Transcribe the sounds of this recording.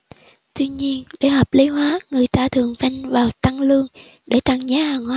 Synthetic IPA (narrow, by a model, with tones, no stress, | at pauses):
t̪wi˧ɲi˧ənɗe˧˩hɔː˨˩p̚li˨˦ɦwaː˨˦ŋɨ˨˩əjt̪aː˧t̪ʰɨ˨˩əŋfa˧jŋvaː˨˩wt̪a˧ŋlɨ˧əŋ | ɗe˧˩t͡ɕa˧ŋzaː˨˦haː˨˩ŋhwaː˨˧˦